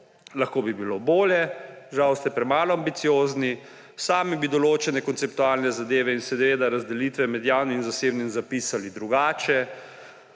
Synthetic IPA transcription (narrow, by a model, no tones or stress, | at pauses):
laxkoːbibiloboːljɛʒawst̪ɛpɾɛmaːlɔambit̪sijoːzni | saːmibid̪ɔloːt͡ʃɛnɛkɔntsɛpt̪uaːlnɛzad̪eːʋɛinsɛd̪ʋeːd̪aɾazd̪ɛliːt̪ʋɛmɛd̪jaːwnimzaseːbnimzapiːsalid̪ɾuɡaːt͡ʃɛ